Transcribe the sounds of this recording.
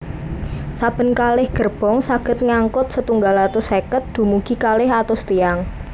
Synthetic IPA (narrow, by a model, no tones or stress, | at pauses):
sab̥ə̤nkalɪhɡ̥ərb̥ɔ̤ŋsaɡ̥ə̤t̪̚ŋaŋkʊt̪̚sət̪uŋɡalat̪ʊsekət̪̚d̪̥ṳmuɡ̥i̤kalɪhat̪ost̪ijaŋ